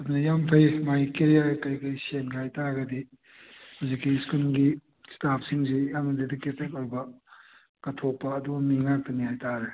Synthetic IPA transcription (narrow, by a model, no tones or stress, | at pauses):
ɐdunɐjampʰɐjmajkeɾjakɐjkɐjsenɡihajtaɡɐdi | huzikːiskulɡi | stap̚ʰsiŋzijamɐdediketːekoɾbɐ | kɐtʰopːɐːduɡɐmiŋak̚tɐnihajtaɾe